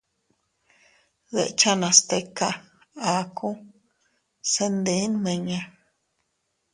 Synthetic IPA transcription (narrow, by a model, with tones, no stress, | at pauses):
ðḛ˨ʔt͡ʃa˦nã˨st̪e˧ka˧ | a˨˦kʰũ˦ | se˦nd̪i˧˨˦nmẽ˧ɲẽ˧